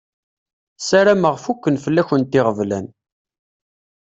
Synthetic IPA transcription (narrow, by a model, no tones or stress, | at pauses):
saɾaməʁfukːənfəlːæçənt̪ɪʁəvlæn